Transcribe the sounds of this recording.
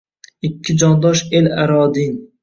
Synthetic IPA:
ɪkʲʰːɪd͡ʒɒnd̪ɒʃelaɾɒd̪in

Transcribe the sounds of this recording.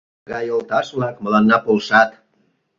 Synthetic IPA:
ɣɑjolt̪ɑʃβlɑkməlɑnːɑpolʃɑt̪

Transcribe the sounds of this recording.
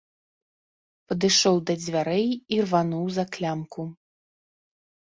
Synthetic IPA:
pɐd̪ɨʂɔwd̪ɐd͡zʲvʲaɾɛjirvanuwzaklʲamku

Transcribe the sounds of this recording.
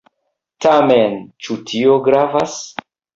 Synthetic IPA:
tament͡ʃutʰioɡɾavas

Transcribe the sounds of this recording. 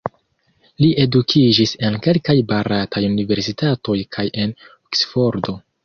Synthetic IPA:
liʔe̞dukʰid͡ʒise̞nke̞lkajbaɾatʰajunive̞ɾsitato̞jkʰaje̞noksfo̞ɾdo̞

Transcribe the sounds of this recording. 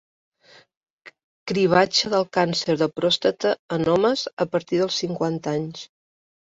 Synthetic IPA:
kɾiβ̞at͡ʃəðəlˠkansəɾðəpɾɔst̪ət̪əənɔməzəpəɾt̪iðəlˠsiŋkwant̪aɲs

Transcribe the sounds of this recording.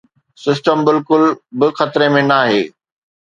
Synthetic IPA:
sɪsʈəmbɪlkʊlbɪxɐt̪ɾemẽnaːɦeː

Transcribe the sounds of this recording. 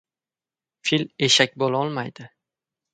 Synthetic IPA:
file̞ʃakʲbolaɒlˠmajd̪̥ɪ

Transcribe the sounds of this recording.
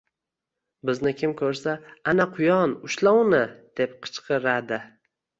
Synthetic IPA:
bɪznɪkʲʰɪmkʰɵɾsaanaqʰʊjɒnʊʃlawnɪd̪̥e̞p̚qʰɨ̥t͡ʃqʰɨɾad̪ɪ

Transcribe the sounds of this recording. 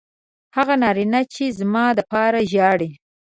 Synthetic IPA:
haɣanɑɾinat͡ʃezmɑd̪əpɑɾaʒɑɽi

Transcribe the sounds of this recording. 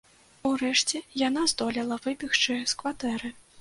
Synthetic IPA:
uɾɛʂt͡sʲɛjanazd̪ɔlʲɛlˠɐvɨpʲixt͡ʂɨskvat̪ɛɾɨ

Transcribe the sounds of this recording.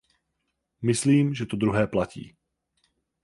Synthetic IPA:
mɪsliːmʒɛt̪od̪ɾuɦɛːplacḭː

